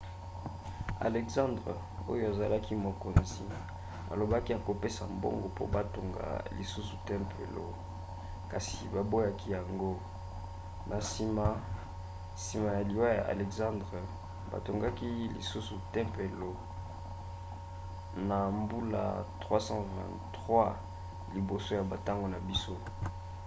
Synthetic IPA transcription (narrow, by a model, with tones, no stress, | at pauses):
a̰˨lɛ˨ksɑ̃˦ndʁe˨ | o̰˦jo˨a˨za˨la˦ki˦mo˨ko˨nzi˨ | a̰˨lo˨ba˦ki˦ja˨ko˨pe˦sa˨mbo̰˦ŋɡo˨po̰˦ba˦to˨ŋɡa̰˨lḭ˨su˦su˨tɛ̃˦mpʰḛ˨lo̰˦ | ka˨si˨ba˨bo˦ja˦ki˦ja˨ŋɡo˦ | nʔa˨si˨ma˨ | si˨ma˨ja˨li˨wa˦ja̰˨ʔa̰˨lɛ˨kzã˦ndʁe˨ | ba̰˨to˨ŋɡa˦ki˦lḭ˨su˦su˨tɛ̃˦mpe˨lo˨ | na˨mbu˦la̰˨tʁwa˦sɑ̃˦vɛ̰̃˨n | tʁwa˦ | li˨bo˨so˦ja˨ba˨ta˦ŋɡo˨na˨bi˦so˦